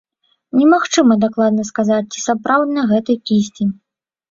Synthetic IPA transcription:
nʲɛmaxt͡ʂɨmɐd̪aklˠad̪nɐskazat͡s̚ʲt͡sʲi̥sapɾawd̪nɐɣɛt̪ɨjkʲisʲt͡sʲi

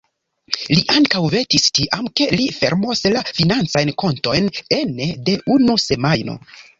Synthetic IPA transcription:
liʔaŋkawve̞tistiʔamke̞life̞̰ɾmoslafinant͡sajnko̞nto̞jne̞nede̞ʔunuse̞majno̞̰

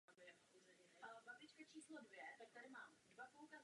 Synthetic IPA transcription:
bɛ | ozɛbabɪt͡ʃkat͡ʃʰiːslodvjɛt̪ak̚t̪aɾɪmaːmɛdvapoukaz

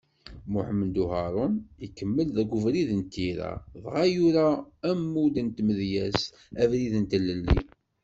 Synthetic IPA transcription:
mʊħəmənd̪uɦɑɾˤʊnikːəmːəlðæɡʷʊvɾiðənt̪ːiɾæ̰ðʁajuɾaːmːud̪ənt̪məðjæs | ævɾiðənt̪əlːəlːḭ

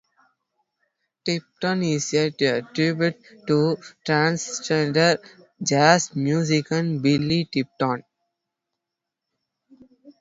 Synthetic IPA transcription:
ʈɪp̚ʈɔ̃nizjeʈuəʈɾibjuʈ̚ːuʈɾãːnst͡ʃẽɳɖəɾ | d͡ʒasmjuːzikə̃nbɪlːiʈip̚ʈɔ̃ːn

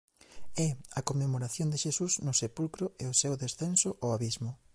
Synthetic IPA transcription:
ɛɐkomːemoɾaθjond̪eʃesusnʊsepulkɾʊeʊsewðesθɛnsʊʔoaβizmʊ

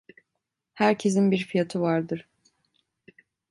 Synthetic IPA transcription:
hæɾcʰe̞s̬inbiɾfijat̪ʰɯvaɾd̪ɯɾ̥

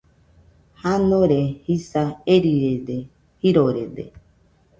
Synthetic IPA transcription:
hanõɾehisaeɾiɾed̪e | hiɾoɾed̪ḛ

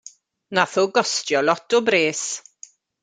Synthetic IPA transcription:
naθoɡɔstjɔlɔtʰɔbɾeːs

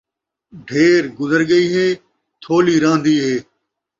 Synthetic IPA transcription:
ɖʱeːɾɡʊzəɾɡəiːɦeː | t̪ʰoːliːɾãːnd̪iːɦeː

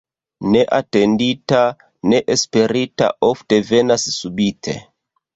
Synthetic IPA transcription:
ne̞ʔate̞ndita | ne̞ʔespe̞ɾita̰ʔo̞fte̞ve̞nassubitʰe̞̰

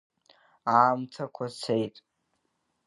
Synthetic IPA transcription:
aːmtʰakʷʰat͡sʰejtʼ

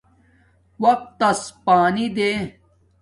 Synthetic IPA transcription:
wɐq̚t̪ːɐspaːnid̪eː

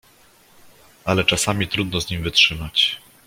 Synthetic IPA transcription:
alɛt͡ʂasamʲit̪ɾud̪nɔzɲimvɘtʂɘmat͡ɕ

